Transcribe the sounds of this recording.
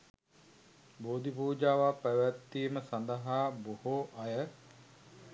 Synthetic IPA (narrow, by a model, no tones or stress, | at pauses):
boːd̪ʱipuːd͡ʒaːʋapæʋət̪ːiːməsɐnd̪əɦaːbohoːʔajə